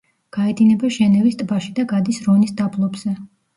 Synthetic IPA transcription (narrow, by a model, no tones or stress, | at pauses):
ɡ̥aɛd̪inɛbaʃɛnɛvist̪ʼbaʃid̪aɡad̪isɾɔnisd̪ablˠɔbz̥ɛ